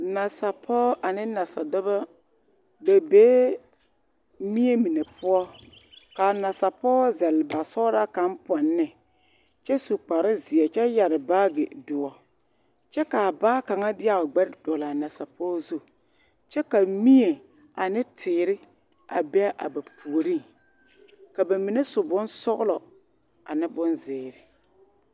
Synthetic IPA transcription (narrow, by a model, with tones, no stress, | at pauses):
na˨sa˨pʰɔː˦ʔa˨nɪ˦na˨sa˨dʊ˦ba˦ | be˨beː˦ | mi˦e˦mi˨ne˨pʊ˦ɔ˦ka˨na˨sa˨pɔː˦zɛ˨lba˨sɔ˦ɾa˦ka˦mpɔ˨nːɪ˨ | t͡ʃɛ˦su˨k͡pa˨ɾɪ˦zɪ˨ɛ˨t͡ʃɛ˦ja˨ɾɪ˨baː˦ɡɪ˨dʊ˨ɔ˨ | t͡ʃɛ˦ka˨baː˦ka˨ŋa˦dɪ˦a˨ʊ˨ɡ͡bɛ˦dd̥ɔ˨la˨na˨sa˨pɔː˦zu˦˨ | t͡ʃɛ˦ka˨mi˦e˨ | a˨nɪ˦tʰɪː˨ɾɪ˦ | a̰˨bɛ˦ʔa̰˨ba˨pu˨o˨ɾi˦ | ka˨ba˨mi˨ne˦sʊ˨bʊ˦nsɔ˦ɣʊ˦lɔ˨ | a̰˨nɪ˦bʊ˦nzɪː˨ɾɪ˨